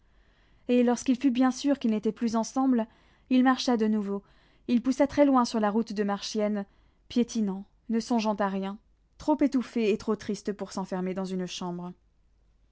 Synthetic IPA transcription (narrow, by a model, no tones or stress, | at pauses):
elɔʁskilfybjɛ̃syʁkʲilnet̪ɛplyzɑ̃sɑ̃bl | ilmaʁʃad̪ənuvo | ilpusat̪χɛlwɛ̃syʁlaʁut̪d̪əmaʁʃjɛn | pjet̪inɑ̃ | nəsɔ̃ʒɑ̃t̪aʁjɛ̃ | t̪χopet̪ufeːt̪χot̪χist̪puʁsɑ̃fɛʁmed̪ɑ̃zynʃɑ̃bʁ